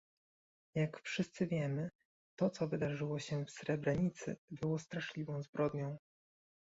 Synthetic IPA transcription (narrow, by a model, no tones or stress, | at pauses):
jakfʂɘst̪sɘvʲjɛmɘ | t̪ɔt̪sɔvɘd̪aʐɘwɔɕɛfsɾɛbɾɛɲit̪sɘ̰bɘwɔst̪ɾaʂlʲivɔ̃w̃zbɾʔɔd̪ɲɔ̃w̃